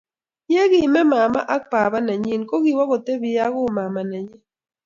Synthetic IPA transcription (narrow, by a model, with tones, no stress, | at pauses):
je˦ɣɪ˨mɛ˦ma˨ma̰˦ʔa˦k̚pa˨βa˦na˨ɲi˦nko˦ɣi˨wa˦ɣɔ˨te˦βi˨ja˦ɣʊ˦ma˨ma˨nɛ˨ɲɛ˦